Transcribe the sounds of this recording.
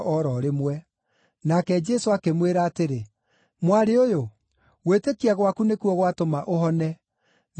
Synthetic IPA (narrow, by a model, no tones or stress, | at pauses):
ʔɔɾɔɾemwɛ | nakɛd͡ʒɛsoakemweɾaːteɾe | mwaɾeojo | ɣwetekiaɣwakunekuɔɣwatomaʔoɦɔnɛ | n